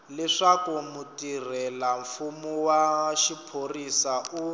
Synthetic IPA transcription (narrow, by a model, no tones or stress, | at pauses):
lɛʂakumutir̤ɛlaɱfumuwaʃipʰorisaʔu